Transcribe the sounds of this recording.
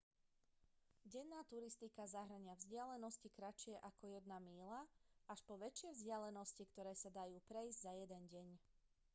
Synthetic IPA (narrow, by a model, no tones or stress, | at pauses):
ɟɛnːaːt̪uɾist̪ikazaɦɾaɲɪavzɟɪalɛnɔscikɾat͡ʃɪɛʔakɔjɛd̪namiːlaaʃpɔʋɛt͡ʃɪɛvzɟɪalɛnɔscikt̪ɔɾɛːsad̪ajuːpɾɛizɟzajɛd̪ɛnɟɛɲ